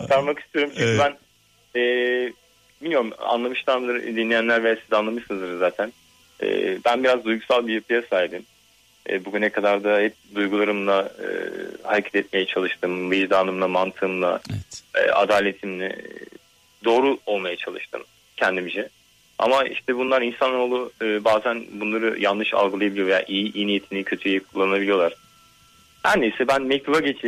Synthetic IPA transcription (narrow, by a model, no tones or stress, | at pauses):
k̪ʰaɾmaki̥st̪ʰijo̞ɾumt͡ʃʰyɲcʰybæn | ɛː | bilʲmjoɾuma̰nlˠamɯʃt̪ʰanmlˠaɾɯd̪inlʲijænlʲæɾvɛasizanlˠamɯʃsɯnɯzd̪ɯɾzaːt̪ʰæn | ɛ̰ːbænbiɾazd̪ujɡusalˠbijapʰɯjasajd̪ɯm | ɛ̰ːbuɡynɛkʰad̪aɾd̪ahɛp̚d̪ujɡulˠaɾɯmlˠaɯ̰haɾecʰɛt̪ʰɛt̪̚me̞jɛt͡ʃʰalˠɯʃt̪ʰɯmvɯjʒd̪aːnˠɯmlˠamant̪ʰɯmlˠa̰ɯ̰ːa̰d̪aːlʲe̞t̪ʰimlʲɛ̰ | d̪o̞ːɾuo̞lˠmajat͡ʃʰalˠɯʃt̪ʰɯ̰m | cʰɛnd̪imizɛ | a̰maḭʃt̪ʰɛbunlˠaɾinsanoːlˠuɯːbaːzænbunlˠaɾɯjanːɯʃa̰lˠɡɯlˠajabilʲijoja̰ʔijiʔijinijet̪ʰimnicʰø̞t̪ʰyjɛkʰulˠːannabilʲijo̞lˠaɾ̥ | hæɾnesɛbænmɛct̪ʰubaɟet͡ʃʰi